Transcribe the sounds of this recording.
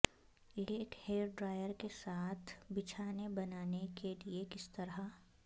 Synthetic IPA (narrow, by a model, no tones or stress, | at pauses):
eeːʈheːɾɖɾaːjəɾkesaːt̪ʰbɪt͡ʃʰaːnebɐnaːnekeliekɪst̪ɐɾɦa